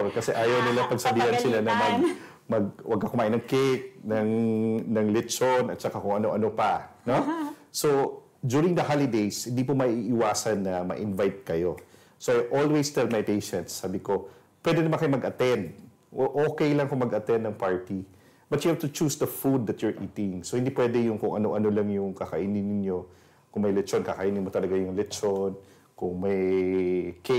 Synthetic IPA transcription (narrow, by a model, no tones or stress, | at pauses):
kɐsɛʔaːjɐwnɪlaŋpɐɡsɐbiːhɐnsɪlanɐmɐɡ̚ | mɐɡ̚wʔɐ̰ɡkɐkʊmaːʔɪjnɐŋkɪk̚nɐŋnɐŋlɛt͡ʃonɐt̪̚t͡ʃɐkakʊŋʔɐnoʔɐnopɐnoso | d̪juɹɪ̃ŋd̪ɐhalɪd̪ejshɪnd̪ip̬omɐʔiʔɪwaːsɐnːɐmɐ̰ʔɪnvajt̪̚kɐjo | soʔajʔolwest̪ɛlmɐjpejʃɛ̃nt̪saːbɪko̞ | pwɛd̪ɛnmankɐjomɐɡʔɐt̪ɛnd̪̚ | ʔoːkɛjlɐŋkʊŋmɐɡɐt̪ɛnd̪ɐŋpaɹt̪i | bɐt̪jʊhavt̪ʊt͡ʃusd̪ɐfud̪̚ːɐt̪jʊɹʔiːt̪ɪŋsohɪnd̪ipwɛd̪ɛjʊŋkʊŋʔɐnoʔɐnolɐŋjʊŋkɐkɐʔinɪnːɪnjo̞ | kʊŋmɐjlɛt͡ʃonkɐkɐʔinɪnmot̪ɐlɐɡajʊŋlɛt͡ʃon | kʊŋmɐj | kɛ